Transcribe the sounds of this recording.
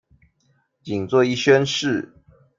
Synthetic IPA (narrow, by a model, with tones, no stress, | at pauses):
t͡ɕi˨˩ŋt͡swɔ˥˧i˥˨ɕɥɛ˥˦nʂɻ̩˥˨